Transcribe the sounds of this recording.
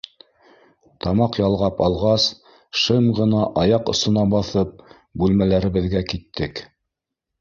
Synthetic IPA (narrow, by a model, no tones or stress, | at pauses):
t̪ɑmɑqjɑlˠʁɑpɑlˠʁɑs | ʃɤmʁɤ̆nɑʔɑjɑqŏsŏnɑbɑθɤp̚ | bʉlmælæɾɘ̆βɘ̆ðɡækit̪ʰːɘk